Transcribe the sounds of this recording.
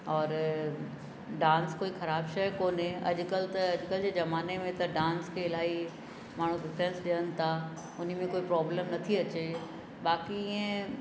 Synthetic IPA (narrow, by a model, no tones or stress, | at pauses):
ɔːɾ | ɖãːnskoːixɐɾaːbʃɐjkoːnɦẽɐ̰ʄkɐlt̪ɐɐʄʊkəld͡ʑeːzɐmaːnemẽt̪ɐɖãːnskʰeɪlaːi | maːɳ̤̃ũɖɪfɾẽnsɗɪjənɪ̆t̪ʰa | ʊn̤mẽkoːipɾɔːbləmnɐt̪ʰiɐt͡ɕe | baːkiɪẽ